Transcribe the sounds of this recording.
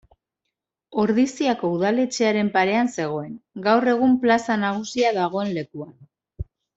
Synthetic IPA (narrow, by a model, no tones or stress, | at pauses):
o̞ɾðisiako̞uðale̞t͡ʃe̞aɾe̞mpaɾe̞anse̞ɣ̞o̞e̞ŋɡawre̞ɣ̞umplasanaɣ̞usiað̞aɣ̞o̞e̞nle̞kuan